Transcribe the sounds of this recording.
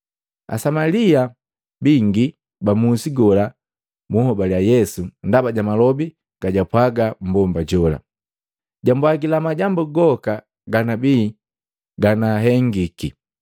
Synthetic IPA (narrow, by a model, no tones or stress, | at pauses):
a̰samalia | biŋɡi | bamusiɡɔla | muhɔbaljajɛsundabaɟamalɔbi | ɡ̥aɟapwaɡambɔmbaɟɔla̰ | ɟambwaɡilamaɟambuɡɔka | ɡanabiː | ɡanaɦɛŋɡiki